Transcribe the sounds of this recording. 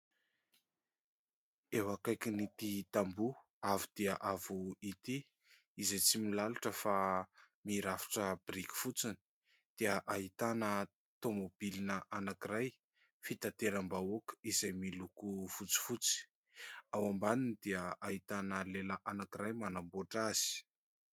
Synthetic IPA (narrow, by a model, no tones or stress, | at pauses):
ewakajkinit̪it̪ambu | avid̪̥iəʔavuit̪i | izet͡similalaʈ͡ʂəfa | miɾafi̥ʈ͡ʂəbriki̥fut͡sini̥ | d̪̥iəʔaɦit̪anə | t̪omob̥ilinəʔanakiɾaj | fit̪at̪eɾambaokizajmilukufut͡si̥fut͡si̥ | awambaninid̪̥iəait̪anəlelaʔanakiɾajmanamboʈ͡ʂaz̥i̥